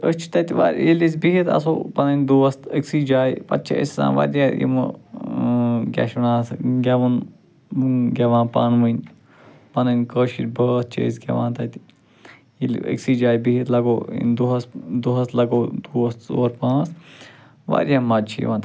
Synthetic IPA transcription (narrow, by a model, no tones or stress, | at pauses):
əst͡ʃʰi̥t̪ɐt̪ʲiʋa̰ɾʲjilʲisʲbiɦit̪ɐ̰soːpɐnɐnʲd̪uːɐst̪əksid͡ʒaːjpɐ̰t̪̚t͡ʃʰɐ̰ḭsʲzã̰ːnʋa̰ɾʲjajḭmu | ɡʲɛ̰ʃnaːsɡʲɐʋun | ɡʲɐʋãːnpa̰ːnʋənʲ | pɐnɐnʲkəːʃit̪ʲbəɐs̚t͡ʃʰə̰isʲɡʲɐ̰ʋã̰ːt̪ɐt̪ | jilə̰ksiːd͡ʒaːjbiɦit̪lɐɡoːḭnd̪uɦɐsd̪uɦɐslɐɡoːd̪uːɐst̪o̰ːɾpãːs | ʋa̰ɾʲjamːɐdt͡ʃʰiḭʋãːnt̪